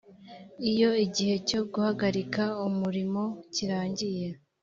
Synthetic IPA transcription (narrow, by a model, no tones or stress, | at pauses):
ijo̞iɟihe̞co̞ɡuhaɡaɾikaumuɾimo̞ciɾaːɲɟije̞